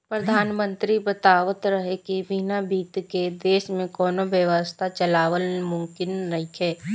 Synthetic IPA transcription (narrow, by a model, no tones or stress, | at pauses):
pɾəd̪ʱaːnmə̃nt̪ɾibət̪aːʋət̪ɾɐɦekiʋinabiːt̪ked̪eːʃmẽkɔːnoʋjəʋəst̪ʰat͡ʃɐlaːʋəlmʊ̃mkɪnɾɐɦikʰɛː